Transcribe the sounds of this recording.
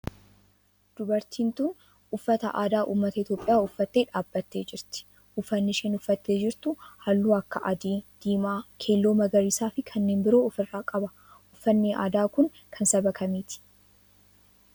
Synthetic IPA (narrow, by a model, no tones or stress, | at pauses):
d̪̥ʊbɐɾt̪iːnt̪un | ʊfːɐt̪ɐ̰ʔa̰ːd̪aːʔṵːmːɐt̪ɐɪt̪jo̞ːpʼɪjaːʊfːɐt̪ːeːᶑaːbːɐt̪ːe̞ːd͡ʒɪɾt̪ɪ̥ | ʔʊfːɐnːɪʃɛːnʊfːɐt̪ːeːd͡ʒɪɾt̪ʊhɐlːuːɐkːɐʔɐd̪iːd̪̥iːmaːkʰe̞ːlːoːmɐɡɐɾiːsaːfɪkʰɐnːe̞ːnbɪɾo̞ːɔfɪrːaːkʼɐbɐ | ʔʊfːɐnːeːʔa̰ːd̪aːkʊŋ | kʰɐnsɐbɐkɐmiːt̪ɪ̥